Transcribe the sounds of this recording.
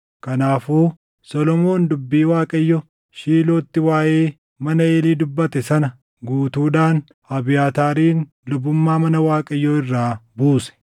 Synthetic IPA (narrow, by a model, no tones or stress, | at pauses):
kɐnaːfuː | sɔlɔmo̞ːnd̪ʊbːiːwaːkʼɐjːɔ | ʃiːloːt̪ːɪwaːʔeː | mɐnɐeːliːd̪ʊbːɐt̪ɛsɐnɐ | ɡuːt̪uːᶑ̪aːn | hɐbɪjaːt̪aːɾiːn | lʊbːʊmːaːmɐnɐwaːkʼɐjːɔɪrːaːbuːsɛ̥